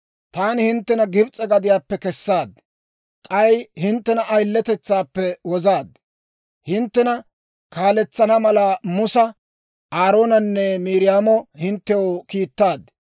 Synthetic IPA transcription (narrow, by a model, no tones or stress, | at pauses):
t̪aːnɪhɪnt̪ːɛnɐɡɪbt͡sʼːɛɡɐd̪ɪjaːpːɛkɛsːaːd̪ | kʼɐjhɪnt̪ːɛnɐʔːjlːɛt̪ɛt͡sːaːpːɛwɔzaːd̪ | hɪnt̪ːɛnɐ | kaːlɛt͡sːɐnɐmɐlɐmʊsɐ | aːɾo̞ːnɐnːɛmiːɾɪjaːmɔhɪnt̪ːɛokiːt̪ːaːd̪